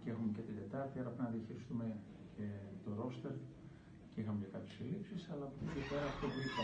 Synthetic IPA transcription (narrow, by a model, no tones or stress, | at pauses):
cexumece̞t̪id̪e̞t̪ɐɾt̪iɐɾɐpinɐðiɐçiɾist̪ume̞ | cʰe̞t̪o̞ɾo̞st̪eɾ | ceixɐmecekɐpçesilipsisɐlɐpɾocepeɾɐːft̪ovliɐ